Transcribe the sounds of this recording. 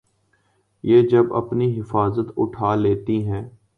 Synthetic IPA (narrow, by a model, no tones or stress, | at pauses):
jeːd͡ʒɐbɐ̰pniɦɪfaːzət̪ʊ̰ʈʰaːleːt̪iɦɛ̃ː